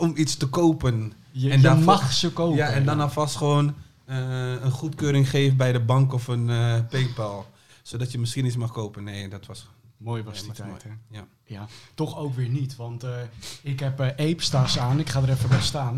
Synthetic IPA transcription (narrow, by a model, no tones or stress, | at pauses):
ɔmitstəkoːpən | ɛndmxsəkowjaɛndɔnɔfɔstχəʋoːn | əənχutkøːɾɪŋχeːvənbɛjdəbɑŋkɔfənpeːpɛlˠ | sodɔtjəmɪskinismaxkoːpənːeːdɔtʋɔs | moːjʋɔstːja | jatɔxowkʋɪːɹnitʋɑntɪkɦɛpejpstasaːnɪkχaːdəɾɛfəʋɛstaːn